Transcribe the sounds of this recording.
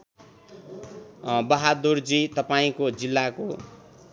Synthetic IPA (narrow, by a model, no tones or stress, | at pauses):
bʌɦad̪urd͡zit̪ʌpaĩkod͡zilːako